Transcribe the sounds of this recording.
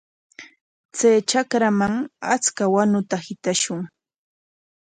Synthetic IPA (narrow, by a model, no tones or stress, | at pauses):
t͡sajt͡ʃakɾamaŋat͡skawanʊt̪ahɪt̪aʃʊŋ